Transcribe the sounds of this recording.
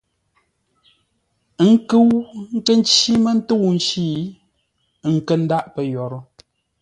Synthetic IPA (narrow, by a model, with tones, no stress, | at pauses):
ŋ̩˦kɨ˦wŋ̩˦kə˦n˦t͡ʃi˦mə˦n̩˦to˦˨wn̩˦ʃiː˦˨˦ | ŋ̩˨kə˦n̩˦da˦ʔpə˨˦jɔ˨ɾɔ˦